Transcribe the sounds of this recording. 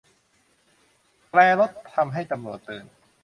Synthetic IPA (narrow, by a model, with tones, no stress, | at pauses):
plɛː˧lo˦˥t̪ʰːa˧mɦa˥˩jt̪a˧mɾu˨˩ət̪ːɯː˨˩n